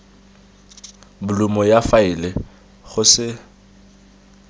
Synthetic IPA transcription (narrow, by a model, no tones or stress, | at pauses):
bʊlʊmɔjafaɪlɪ | ɣʊsɪ